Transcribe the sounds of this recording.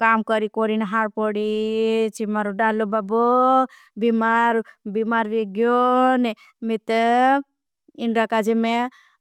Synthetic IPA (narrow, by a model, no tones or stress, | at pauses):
kamkəɾikoɾinɦaɾpɔɽit͡ʃimaɾuɖalːobabo | bimaɾbimaɾʋeɡjonɛ | mit̪ə | inɾakad͡ʒeme